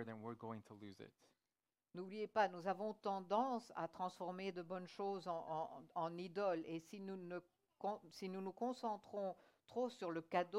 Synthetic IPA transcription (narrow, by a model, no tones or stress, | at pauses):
ðɨ̃nwɪɹɡoʊɪ̃ŋtʰəluzɪ̰t̚ | nublijepanuzavɔ̃t̪ɑ̃d̪ɑ̃sa̰t̪χɑ̃sfɔʁmed̪əbɔnʃozɑ̃ɑ̃nid̪ɔlesinunə | kɔ̃sinunukɔ̃sɑ̃t̪χɔ̃ | t̪χosyʁləkad̪o